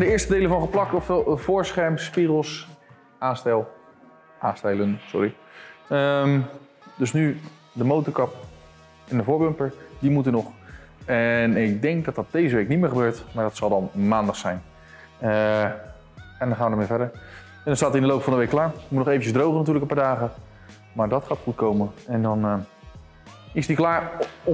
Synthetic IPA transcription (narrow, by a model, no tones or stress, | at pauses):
dəɪːɹstədejləvɑnχəplɑk̚tɔflˠvʊːɹsχɛɹmspiχəlˠs | ʔaːnstɛlˠ | ʔaːstɛjlənsʊ̰rɹi | əm | døsny | dəmowtəɹkɑp | ɛndəvoːɹbømpəɹdimutənɔχɛnɪk̚dɛŋk̚dɔtdɑt̚d̥ejzəʋejknitmɪːɹχəbøːɹtmaɹdɔtsɑlˠdɑnmaːndɑχsɛjn | ɛndɔnχaːʋədəɹmeːvɛdəɹ | ɛndɔnstaːtɪndəlowpfɑndəʋejkːlaːɹmutnɔχejvəncəzdrowχənatyːɹləkəpaːɹdaːχə | maːɹdɔtχaːtχutkowmənɛndɔn | ɪsdiklaːɹ